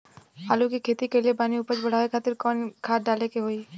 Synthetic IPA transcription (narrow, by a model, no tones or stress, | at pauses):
ɦaːlukikʰeːt̪ikeliebaːniuːpəɾt͡ʃbɐɽ̤aːʋekʰaːt̪ɪɾkɔːnkʰaːt̪̚ɖaːlekeɦoiː